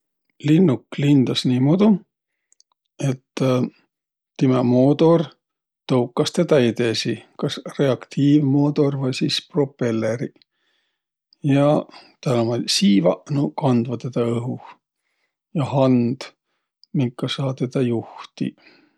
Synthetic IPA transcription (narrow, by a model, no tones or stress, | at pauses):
linːukːlind̪ɑsniːmod̪u | e̞t̪ː | imemoːd̪o̞r | t̪ɤwkːˑɑst̪e̞d̪ɑet̪e̞sikɑsre̞ɑkt̪ʰiːvmo̞ːt̪o̞rvɑjsʲispro̞pːe̞lːeɾi | jɑt̪ælomɑsiːvɑ̰ʔnukɑnd̪vɑt̪e̞d̪ɑɤɦu | jɑhɑnd̪̥ | miŋkːˑɑsɑːt̪e̞d̪̥ɑjuht̪ḭ